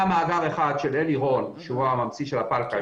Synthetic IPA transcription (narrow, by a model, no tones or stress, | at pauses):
amaːɡaʁeχad̪ʃeleliʁo̞nʃeuamamt͡siʃelapalka